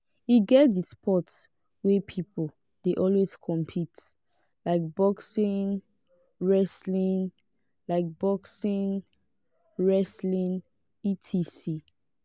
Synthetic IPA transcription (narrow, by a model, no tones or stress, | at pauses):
iɡɛt̚dispʰɔts | wɛpʰipo | d̥eʔɔlweskʰɔ̃mpʰit | laɪk̚bɔksĩn | ɹɛslĩn | laɪk̚b̥ɔksĩn | ɹɛslĩn | itʰisi